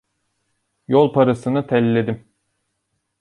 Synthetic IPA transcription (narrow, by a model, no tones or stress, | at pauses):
jolˠpʰaɾasɯnɯt̪ʰɛlʲːed̪im